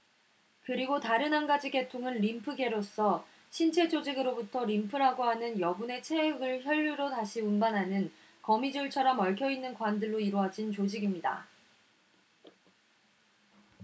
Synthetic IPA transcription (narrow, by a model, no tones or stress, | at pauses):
kɯɾiɡotaɾɯnɦanɡad͡ʑiɡe̞tʰoŋɯnɾimpʰɯɡe̞ɾos͈ʌ | ɕʰint͡ɕʰe̞d͡ʑod͡ʑiɡɯɾobutʰʌɾimpʰɯɾɦaɡoɦanɯnjʌbune̞t͡ɕʰe̞ɡɯɭçjʌʎːuɾotaɕʰiunbanɦanɯn | kʌmid͡ʑuɭt͡ɕʰaɾʌmʌɭkʰjʌinːɯnkwandɯɭːoiɾoad͡ʑint͡ɕod͡ʑiɡimɲida̰